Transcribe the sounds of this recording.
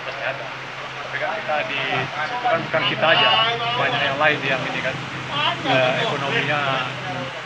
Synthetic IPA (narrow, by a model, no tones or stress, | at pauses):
pəsiat̪a | sapekakit̪adiut̪ukanbukankit̪aːd͡ʒabaɲakjaŋlaɪnjaŋinikan | əekonomiɲa